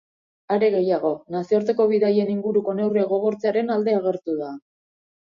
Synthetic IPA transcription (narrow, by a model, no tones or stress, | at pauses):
aɾe̞ɣe̞jaɣ̞o̞nasioɾt̪e̞ko̞βiðaje̞niŋɡuɾuko̞ne̞wriaɣo̞ɣ̞o̞ɾt͡seaɾe̞nald̪e̞aɣ̞e̞ɾt̪uða